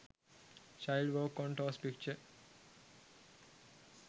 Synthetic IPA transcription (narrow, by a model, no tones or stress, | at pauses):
t͡ʃaɪlɖʋəːkɔ̃ɳʈɔːspik̚t͡ʃəɾ